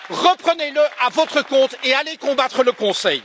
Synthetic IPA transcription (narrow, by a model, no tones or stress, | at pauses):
ʁəpχəneləʔavɔt̪χəkɔ̃t̪ealekɔ̃bat̪χələkɔ̃sɛj